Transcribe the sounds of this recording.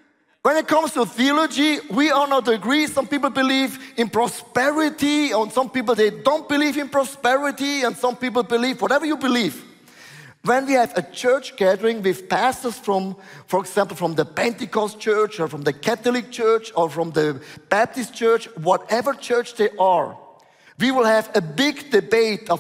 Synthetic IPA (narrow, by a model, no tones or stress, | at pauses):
wɛ̃nɪt̚kʰʌ̃mstuθiɔlod͡ʒiwiɔnaʊtːɡɹisʌ̃mpipl̩ˠbɪlivɪ̃npɹ̥ɔspɛɹɪtiə̃nsʌ̃mpip̬l̩ˠðeɪdõʊ̃nt̚b̥ɪlivɨ̃npɹ̥ɔspɛɹɪtiə̃nsʌ̃mpip̬l̩ˠbɪlivwɔɾɛvə˞jubɪliv | wɛ̃nwiævɨt͡ʃʰɜ˞t͡ʃɡ̥æðəɹɪ̃ŋwɪð̥pæstə˞sfɹɔ̃mfɔɹɛɡz̥æ̃mpl̩ˠfɹʌ̃mðəpɛ̃ntɪkɔst͡ʃɜ˞t͡ʃɔ˞fɹʌ̃mðɨkʰæθlɪk̚t͡ʃʰɜ˞t͡ʃɔ˞fɹɔ̃mðəb̥æp̚tɨs̚t͡ʃɜ˞t͡ʃwɔɾɛvə˞t͡ʃʰɜ˞t͡ʃðeɪʔəɹ | wiwɪlˠhævəbɪɡdɨbeɪt